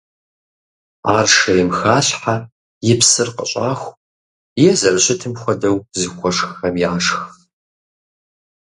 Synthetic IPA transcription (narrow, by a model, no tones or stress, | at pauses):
a̰ːrʂɐjɪmxaːɬħa | jɪpsɨrqə̰ɕʼaːxʷ | jɛzɐrɕɪtʰɨmxʷɔdɐwzixʷɔʂxxɐmjaːʂx